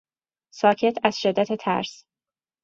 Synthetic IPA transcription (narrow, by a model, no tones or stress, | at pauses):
sɒːcʰe̞t̪ʰæz̥ʃed̪ːæt̪ʰet̪ʰæ̰ɾs